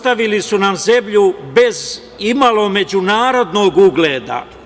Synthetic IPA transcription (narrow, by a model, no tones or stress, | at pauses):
t̪aʋilisunamze̞mʎube̞z | imalo̞me̞d͡ʑunaːɾo̞d̪no̞ːɡuɡleːd̪a̰